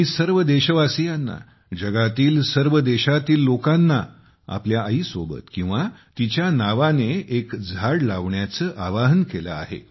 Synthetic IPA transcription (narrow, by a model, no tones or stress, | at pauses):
ɦisəɾʋəd̪eɕəʋasijanːa̰ | d͡ʑəɡat̪iːlsəɾʋəd̪eɕat̪iːlːokanːa̰ | a̰pljaʔəɦiːsobə̰t̪kĩw̃ʋat̪it͡ɕjanaʋaneekd͡zʱaɽlaʋɳjat͡səːʔaʋaɦnkelaa̰ɦḛ